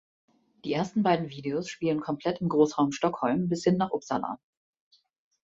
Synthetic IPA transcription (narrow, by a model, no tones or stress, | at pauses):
d̥iːʔeːɐstn̩baɪdn̩viːdeoːsʃpiːlənkʰɔmpʰl̥ɛtɪmɡʁoːsʁ̥aʊmʃtɔkhɔlmbɪshɪnːaːχʔʊpsala̰ː